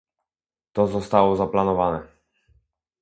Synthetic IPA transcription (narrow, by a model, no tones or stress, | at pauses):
t̪ɔzɔst̪awɔzaplanɔvanɛ